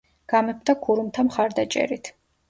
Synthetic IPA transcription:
ɡ̥amɛp̚ʰt̪ʰakʰuɾumt̪ʰamχaɾd̪at͡ʃʼɛ̰ɾit̪ʰ

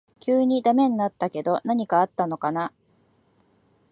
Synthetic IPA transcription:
kʲɨːɲ̟id̪ame̞ɲ̟inat̪ːake̞d̪o̞naɲ̟ikaːt̪ːano̞kana

